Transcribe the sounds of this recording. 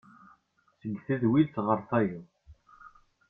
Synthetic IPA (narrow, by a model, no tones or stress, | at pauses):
səɡθiðwilθʁəɾˤθæji